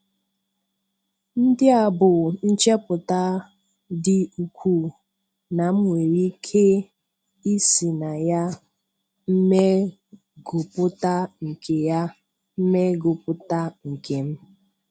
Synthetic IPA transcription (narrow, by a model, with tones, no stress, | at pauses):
n̩˦dɪ˦a˨bʊ˨n̩˦t͡ʃe˦pʊ˨ta˦ | dɪ˦u˨kʷʰu˦ | na˨m̩˦ŋʷe˨ɾi˦kʰe˦ | i˦si˨na˨ja˦ | m̩˦me˦ | ɡʊ˨pʊ˦ta˦ŋ̩˨kʰe˨ja˦ | m̩˦me˦ɡʊ˨pʊ˦ta˦ŋ̩˨ke˨m̩˦